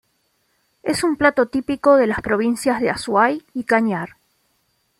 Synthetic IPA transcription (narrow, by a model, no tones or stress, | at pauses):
esumplat̪o̞t̪ipikoðe̞laspɾo̞β̞insjazðeaswajikaɲaɾ